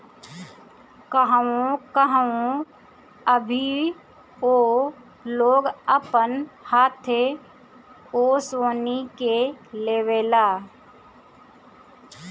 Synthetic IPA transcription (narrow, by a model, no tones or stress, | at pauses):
kəɦaõkəɦaõ | əbʱi | oː | loːɡəpənhaːt̪ʰeː | oːsoːnikeleːʋeːlaː